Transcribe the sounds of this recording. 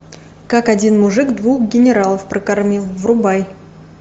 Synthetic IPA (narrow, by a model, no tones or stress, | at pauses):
kakɐdʲinmʊʐɨkd̪vuxɡʲɪnʲɪɾalˠəfpɾəkarmʲilˠvrʊbaj